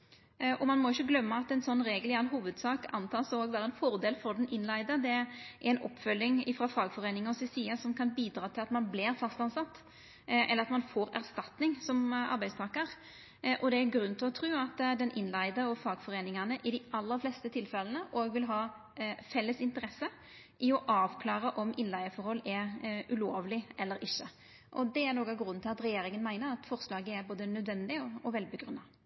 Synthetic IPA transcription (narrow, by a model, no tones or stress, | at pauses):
ʔɔmɑnmɔɪçːəɡlœmːəɑt̪ɛnsɔnːɾeːɡəlænɦuːʋəd̪sɑːkɑ̰nt̪ʰɑːsɔoɡʋæːɾəɛnfɔɾd̪eːlfɔɾd̪ɛnʔɪnlæɪd̪əd̪ɛʔæɾɛɪnʔɔ̰pːfœlːɪŋɪfɾɑfɑːɡfɔɾeːnɪŋɔsɪsiːəsɔmkʰɑnbiːd̪ɾɑːt̪ʰɪlɑt̪mɑnblɪɾfɑst̪ɑnsɑt̪ː | ʔɛlːəɾɑt̪mɑnfoːɾæɾst̪ɑt̪nɪŋsɔmɑ̰ɾbæɪd̪st̪ʰɑːkəɾ | ʔɔd̪ɛæɾɡɾʉnnt̪ʰɪlɔt̪ʰɾʉːɑt̪ːd̪ɛnʔɪnlæɪd̪əɔfɑːɡfɔɾeːnɪŋɑnəʔɪd̪ɪʔɑlːəɾflɛːst̪ət̪ʰɪlfɛlənəʔoːɡʋɪlɦɑː | fɛlːəsɪnt̪əɾɛsːə | ʔɪɔʔɑːʋkʰlɑːɾəʔɔmɪnlæɪəfɔɾhɔlːɛɾʉloːʋlɪʔɛlːəɾɪçːə | ʔɔd̪ɛæɾnoːkɑɡɾʉnːt̪ɪlɑt̪ɾɛjeːɾɪŋənmæɪnəɾɑt̪fɔʁslɑːɡəæɾboːd̪ənœd̪ʋɛnd̪ɪɔɔʋɛlbəɡɾʉnːɑ